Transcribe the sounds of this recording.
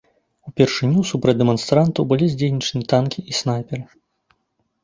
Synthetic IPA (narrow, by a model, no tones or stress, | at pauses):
upʲɛrʂɨnʲːusupɾɐd͡zʲd̪ɛmɔnst̪ɾant̪ɐwbɨlʲizʲd͡zʲejnʲit͡ʂnʲit̪ankʲiʔisnajpʲɛɾɨ